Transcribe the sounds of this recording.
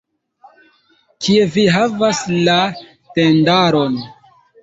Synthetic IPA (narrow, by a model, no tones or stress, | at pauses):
kie̞viɦavasla | te̞ndaɾo̞n